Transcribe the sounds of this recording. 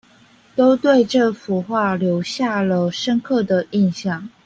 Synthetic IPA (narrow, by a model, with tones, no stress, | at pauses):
t̪o˥ʊt̪we˥˧ɪʈ͡ʂɤ˥˩fu˨˧˥xwa˥˩ljo˧˥ʊɕja˥˩lə˨ʂə˥nkʰɤ˥˩d̪ə˩i˥˧nɕjɑ˥˩ŋ